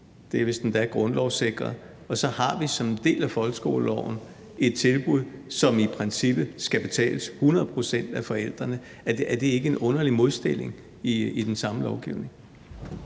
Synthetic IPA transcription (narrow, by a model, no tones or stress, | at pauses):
d̥e̝æʋe̝sd̥end̥æɐɡ̥ʁɔ̽nlɒʊse̝ɡ̥ʁɐ | ɒ̽sɒ̽hɑ̈ʋisɒ̽md̥e̝̰ːlæfɒ̽lɡ̥sɡ̥o̝̰ːllɒʊ̰n̩ | ʔe̝d̥̚t͡sʰe̝lb̥uð̰ˠsɒ̽mipʰʁɛnsib̥ð̩ˠsɡ̥æb̥e̝t͡sʰɛ̰ːləshunɐð̞̩ˠpʰʁo̝sen̰d̥æfɒ̽el̰d̥ʁɐnə | æd̥e̝e̝ɡ̥əenʔɔ̽nɐlimo̝ð̞ˠsd̥e̝l̰e̝ŋ | iid̥ensɑ̈məlɒʊɡ̥iʊne̝ŋ